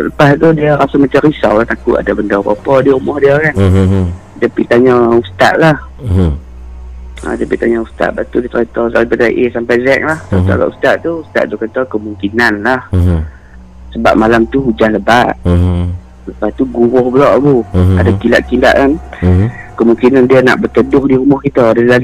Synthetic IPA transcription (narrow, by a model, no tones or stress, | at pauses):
ləpast̪udiəɾasamat͡ʃamɾisa̰wlat̪akʊʔa̰dabəndakɔ̰pɔdiaumɔhdiakan | dəpit̪aɲɔust̪a̰ʔlah | a̰dəpiʔt̪aɲɔust̪a̰ʔ̪̚bat̪udit̪ɾat̪ɔsabədaʔisampajzɛk̚lahsət̪a̰aɡa̰ʔust̪aʔt̪uust̪a̰ʔt̪ukat̪ɔkəmuŋkinanlah | səba̰p̚malamt̪uɦud͡ʒanləbaʔ | səpat̪uɡuɣʊhbəlɔʔɡuadakila̰ʔkila̰ʔkan | kəmuŋkinandiəna̰ʔbərt̪ədʊhdiɾumɔhkit̪ədəla